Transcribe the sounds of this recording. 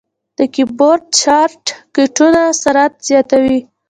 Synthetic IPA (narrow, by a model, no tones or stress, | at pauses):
d̪̥əkiboɾɖ̚t͡ʃɑɾʈkɪʈunasaɾat̪z̥jɑt̪awi